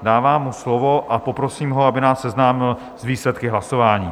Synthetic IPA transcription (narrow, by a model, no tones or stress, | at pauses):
daːvaːmːuslovo̞ʔapopɾosiːmɦoabɪnaːsːɛznaːmɪl | zviːslɛt̪kɪɦlaso̞vaːɲiː